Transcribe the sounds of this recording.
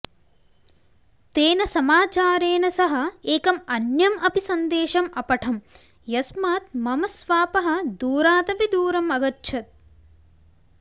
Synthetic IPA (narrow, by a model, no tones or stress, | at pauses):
t̪eːnɐsɐmaːt͡ʃaːɾeːnɐsɐɦɐ̆eːkɐmɐnjɐmʔɐpisɐnd̪eːʃɐmɐpɐʈʰɐm | jɐsmaːt̪̚mɐmɐsʋaːpɐɦɐ̆d̪uːɾaːt̪ɐpid̪uːɾɐmɐɡɐtːʃʰɐt̪̚